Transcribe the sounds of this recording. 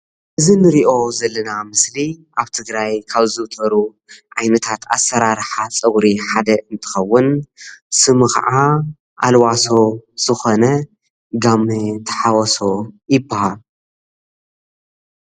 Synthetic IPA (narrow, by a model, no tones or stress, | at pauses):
ʔɨzinɨɾiʔo̞zɐlːɐnamɨsliʔaβt̪ʰɨɡɾajkʰaβzɨwt̪ʼɐɾu | ʕajnɐt̪ʰat̪a̰sːɐɾaɾħat͡sʼɐwɾiħad̪ɐʔɨnt̪ʰɨ̥xɐwːʊnsɨmɨxɐ̰ʕa | ʔalwaso̞z̥ɨxo̞nɐ | ɡamːit̪ʰɐ̥ħawɔso̞jɪbːahal